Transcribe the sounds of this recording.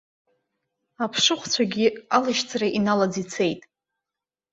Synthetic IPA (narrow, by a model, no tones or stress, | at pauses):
apʰʂɨχʷt͡sʷʰaɡʲialaʃt͡sʰʼraʔinalad͡zit͡sʰe̞jtʼ